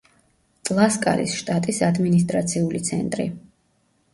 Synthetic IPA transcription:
t̪ʼlˠaskʼa̰ɾḭsʃt̪ʼat̪ʼisad̪minist̪ʼɾat̪sʰiulit̪sʰɛ̰nt̪ʼɾḭ

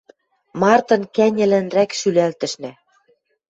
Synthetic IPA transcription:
mɑrt̪ɤ̆nkænʲɘ̆lɘ̆nrækʃylælt̪ɘ̆ʃnæ̆

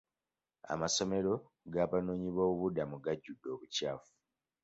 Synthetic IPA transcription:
a̰maso̞me̞ɾo̞ | ɡaːβano̞ːɲiβwoːβuβudamuɡaɟːudːo̞ːβucaːfu̥

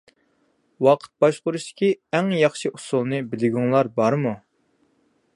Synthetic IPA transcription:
wɑqʰə̥t̪̚bɑʃqʊɾuʃt̪ɪ̥kʲiɛŋjɑχʃiʔusulˠnɨbɪlɪɡʲuŋlˠɑɾbɑɾmu

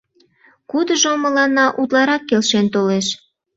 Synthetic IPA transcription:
kud̪əʒoməlɑnːɑʔut̪lɑɾɑkːelʃent̪oleʃ

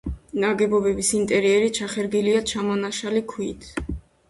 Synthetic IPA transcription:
naɡɛbɔbɛbisint̪ʼɛɾiɛɾit͡ʃʰaχɛɾɡiliat͡ʃʰamɔnaʃalikʰwit̪ʰ

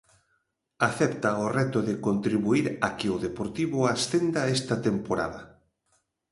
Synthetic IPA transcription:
aθɛpt̪ɐorɛt̪oʊðɪkont̪ɾiβuiɾakɪoðepoɾt̪iβʊasθend̪aɛst̪ɐt̪empoɾa̰ðɐ

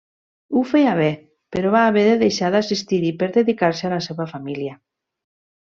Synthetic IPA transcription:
ufejaβ̞ɛ | peɾoβaːβeðeðejʃaðasist̪iɾipeɾðeðikaɾsealaseβafamilja

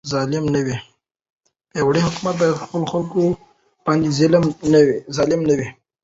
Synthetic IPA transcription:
zɑlɪmnəwi | jawɽihʊkumat̪̚bɑjad̪xpəloxalko | b̥ɑnd̪izɪlmnawizɑlɪmnəwi

